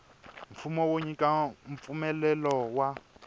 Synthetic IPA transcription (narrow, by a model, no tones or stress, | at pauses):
ɱ̩fumɔwoɲikaɱ̩p̪fumɛlɛlɔwa